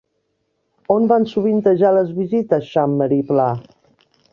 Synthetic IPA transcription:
onbansuβ̞int̪əʒaləzβizit̪əsʃamːəɾipla

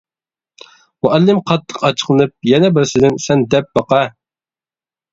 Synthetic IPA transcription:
muʔɛlːɪmqʰɑt̪ʰːə̥qɑt͡ʃʰə̥qlˠɨnɨp̚jɛnɛbɪɾsɪd̪ɪnsɛnd̪ɛp̚bɑqɑ

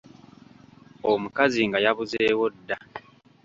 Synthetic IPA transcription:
omukaziŋɡajaβuze̞ːwo̞dːa

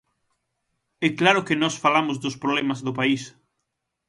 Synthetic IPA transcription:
ɛklaɾʊkenɔsfalamʊzðʊspɾoβlɛmazðʊpais

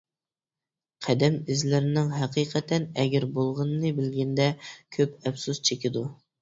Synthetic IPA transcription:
qʰæd̪ɛmɪzlɪɾɪnɪŋɦɛqʰiːqʰɛt̪ʰɛnɛɡʲæɾbolˠʁənɨnɨbɪlɡʲɛnd̪ɛkʲʰøpɛfsust͡ʃʰekʲid̪u

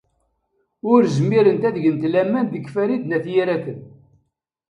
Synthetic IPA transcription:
ʊɾzmiɾənt̪æðʝənt̪læmːænd̪əkːfæɾid̪næθjiɾæθən

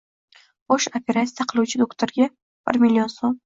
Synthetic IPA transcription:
boʃopʲʰe̞ɾat̪sijaqʰɨlˠuwt͡ʃʰɪd̪okt̪ʰoɾɡʲa | b̥ɪ̰ɾmilʲːionsom

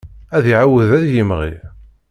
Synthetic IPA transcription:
æðiʕawəðæðjimʁḭ

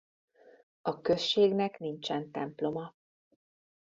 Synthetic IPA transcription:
ɒkøʃːeːɡnɛknint͡ʃɛnt̪ɛmplo̞mɒ

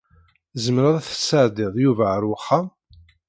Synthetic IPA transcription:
zəmɾaðˤæθə̥sːəʕd̪ɪðˤjuvæʕɾwəχːam

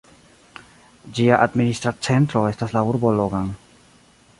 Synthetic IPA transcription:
d͡ʒiaʔadministɾat͡se̞ntɾo̞e̞staslauɾboloɡan

